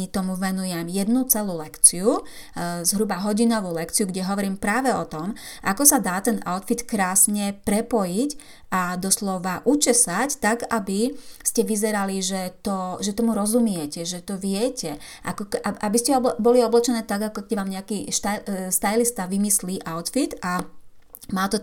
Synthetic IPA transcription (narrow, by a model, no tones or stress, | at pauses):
it̪ɔmuʋɛnujɛmjɛd̪nut͡sɛluːlɛkt͡siu | zɦɾubaɦɔɟinɔʋuːlɛkt͡siuɡɟɛɦɔʋɔɾiːmpɾaːʋɛɔt̪ɔm | ʔa̰kɔsad̪aːt̪ɛna̰ʊt̪fit̪kɾaːsɲɛpɾɛpɔjic | ʔad̪ɔslɔʋaʔut͡ʃɛsact̪aɡabiscɛʋizɛɾaliʒɛt̪ɔʒɛt̪ɔmuɾɔzumɪɛcɛʒɛt̪ɔʋɪɛcɛ | ʔa̰kɔkʔaʔabiscɛɔbɔliɔblɛt͡ʃɛnɛːt̪aɡakɔkɛɟʋaːmɲɛakiːʃt̪aʃt̪ajlist̪aʋimisliːʔaʊt̪fit̪a | maːt̪ɔ